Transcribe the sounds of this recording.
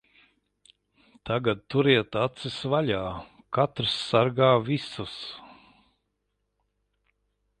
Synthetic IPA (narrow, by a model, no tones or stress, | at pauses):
t̪aɡad̪̚t̪uɾiɛt̪at̪sɨsvalʲaː | kat̪ɾsːaɾɡaːvʲisus